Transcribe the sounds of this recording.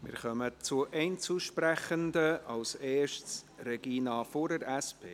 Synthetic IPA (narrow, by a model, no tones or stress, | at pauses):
mɪ̰ːɾχœmət͡suəʔɛɪnt͡suʃpɾɛχəndəɑwseːʃtsrɛɡ̥iːnɑːfoɾdəɾɛspʰeː